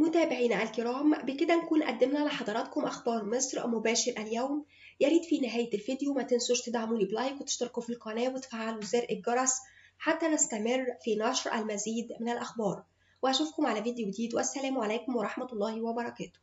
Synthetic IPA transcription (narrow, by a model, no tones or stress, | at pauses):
mot̪æːbɪʕiːnʕalkeɾɑːmbeked̪ænækuːnʔæ̰d̪ːemnæʕlæħɑd̪ˤɑɾˤɑt̪komʔæxbɑːɾˤmesˤɾˤmobæːʃeɾʔæljæwm | jæɾiːd̪finɪɦæːjælfid̪jowmæt̪ensoʃt̪ed̪ʕamuːliːblɑjkwet̪eʃt̪ɑɾkufilqɑnæːwet̪faːʕaluzæːɾʔeɡɑɾˤɑs | ħat̪ːænæst̪æmerˤːfinɑʃɾˤʔæ̰lmæziːd̪menælʔæxbɑːɾˤ | weʔæʃuːfkomʕalæviːd̪ejod̪iːd̪wʔæsːælæːmʕalæːkomwɑɾˤɑħmælˤːɑːhwæbɑɾˤɑkæːt̪o̥